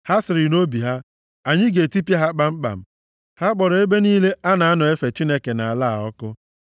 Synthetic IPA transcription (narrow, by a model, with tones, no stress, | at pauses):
ha˦sɪ˨ɾɪ˨no˦bi˨ɦa˦ | a˨ɲɪ˦ɡe˨ti˦pja˦ɦa˦k͡pa˦ŋ͡m̩˦k͡pa̰˨m̩˦ | ha˦k͡pɔ˨ɾɔ˨e˦be˦niː˦le˦a˦na˨a˦nɔ˨e˦fe˨t͡ʃi˦ne˦ke˨na˨a˨la˦a̰˨ɔ˦kʊ˦